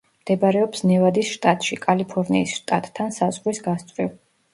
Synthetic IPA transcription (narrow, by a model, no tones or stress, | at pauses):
md̪̥ɛbaɾɛɔpsnɛvad̪isʃt̪ʼat̪ʼʃikʼalipʰɔɾnḭːsʃt̪ʼat̪ʼːʰansazʁɾwisɡast̪sʼvwiv